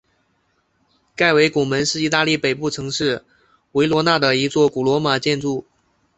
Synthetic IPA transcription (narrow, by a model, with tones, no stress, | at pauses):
ka˥˩ɪwe˧˥ɪku˨˩mə˧˥nʂɻ̩˥˩i˧˥t̪a˥˧li˥˩pe˨˩ɪpu˥˩ʈ͡ʂʰɤ˧˥ŋʂɻ̩˥˩ | we˧˥ɪlwɔ˧˥na˥˩d̪ə˩i˧˥t͡swɔ˥˩ku˨˩lwɔ˧˥ma˨˩t͡ɕjɛ˥˧nʈ͡ʂu˥˩